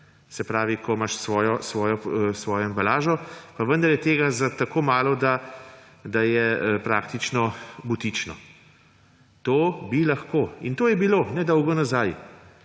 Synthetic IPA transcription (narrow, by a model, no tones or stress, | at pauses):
sɛpɾaːʋikʰɔmaʃsʋɔːjɔsʋɔːjɔsʋɔːjɔɛmbalaːʒɔpaʋənd̪aɾjɛt̪eːɡazat̪akoːmaːlɔd̪a | d̪ajɛpɾaːkt̪it͡ʃnɔbut̪it͡ʃnɔ̰ | t̪oːbilaxkoːḭnt̪oːjɛbiloːnɛd̪ɔwɡɔnazaj